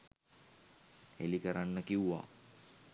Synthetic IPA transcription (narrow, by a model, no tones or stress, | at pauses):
hḛlikəɾanːəkiuʋa̰ː